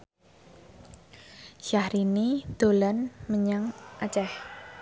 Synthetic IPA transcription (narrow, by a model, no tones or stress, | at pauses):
ʃahɾinid̪̥o̤lanməɲaŋʔat͡ʃɛh